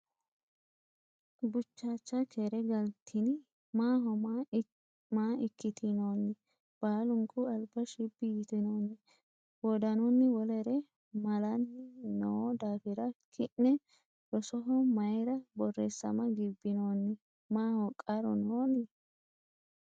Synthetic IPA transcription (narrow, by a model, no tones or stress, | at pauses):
bʊt͡ʃːaːt͡ʃːɐkʰeɾɛɡɐlt̪ʰːɪnɪ | maːɦɔma | maːɪkːɪt̪ʰɪnoːnːɪ | b̥aːlʊŋkʼːʊɐlbɐʃɪbːɪjɪt̪ɪnoːnːɪ | wɔd̪ɐnʊnːɪwɔlɛɾɛ | mɐlɐnɪnɔwɔd̪aːfɪɾɐkʰɪnːɛ | ɾɔsɔɦɔmɐjɾɐbɔrːesːɐ̰mɐɡɪbːɪnoːnːɪ | maːhɔkʼɐɾɔ̰noːnɪ